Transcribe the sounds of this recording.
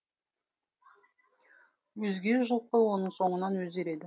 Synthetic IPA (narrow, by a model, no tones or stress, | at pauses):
wɵzɡʲe̞ʒəlˠq̚əwo̞nəɴso̞ɴənɑnwɵzɡʲe̞ɾe̞d̪ɪ